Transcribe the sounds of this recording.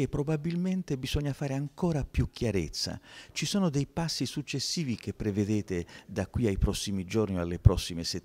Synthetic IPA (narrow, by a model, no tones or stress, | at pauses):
epːɾobabilment̪ebiz̥ɔɲːafaːɾeaŋkoːɾapjukʰjaɾet̪sːa̰t͡ʃisoːnod̪ejpasːisut͡ʃːesːiːvik̟epːɾeved̪eːt̪ed̪akwiajpɾɔsːimid͡ʒornialːepɾɔsːimeset̪ː